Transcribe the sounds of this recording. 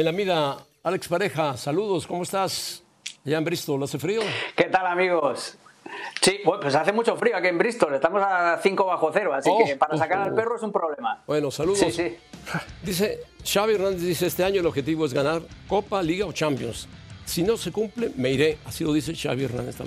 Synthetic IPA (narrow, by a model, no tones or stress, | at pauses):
elamiða | alekspaɾe̞xasaluðo̞skomoest̪as | aʝaembɾist̪olase̞fɾioke̞t̪alamiɣos | sibepwesaθemut͡ʃo̞fɾioakiembɾist̪ole̞st̪amosaθiŋkoβaxoθeɾoasiokpaɾasakaɾalpe̞roesumpɾoβlemabweno̞saluðsossi | d̪is̬e̞ʃaβieɾnand̪ezðis̬e̞est̪e̞aɲoelo̞βxe̞t̪iβo̞ezɣanaɾko̞paliɣao̞t͡ʃampjo̞̰nsːino̞se̞kumpleme̞iɾe̞asilo̞ðis̬e̞ʃa̰βjierna̰nd̪est̪a̰